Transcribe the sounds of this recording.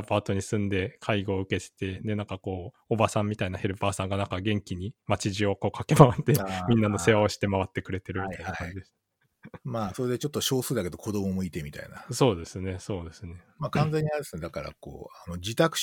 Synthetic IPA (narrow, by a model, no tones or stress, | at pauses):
paːt̪o̞ɲ̟isɨ̃nd̪e̞kʰaiɡo̞ːɯ̟ke̞t̪e̥t̪e̞d̪e̞nãŋkako̞ː | obasãmːʲit̪ainahe̞ɾɯ̟paːsãŋɡanãŋkaɡẽ̞ŋkʲiɲ̟imat͡ɕiʑio̞ko̞ːkake̞maβat̪ːemʲĩnːano̞se̞βao̞ɕi̥t̪e̞maβat̪ːe̞kɯ̟ɾe̞t̪e̞ɾɯ̟mit̪ːainakãɲd͡ʑid̪esɨ̥ | maːso̞ɾed̪et͡ɕo̞t̪ːoɕo̞ːsɨːd̪ake̞d̪o̞kʰo̞d̪o̞momo̞it̪emʲit̪a̰ḭna̰so̞ːd̪e̞sɨne̞so̞ːd̪e̞sɨne̞ | maːkãnze̞ɲ̟ːiadesɨne̞d̪akaɾa̰ko̰ːano̞d͡ʑit̪akɯ̟̥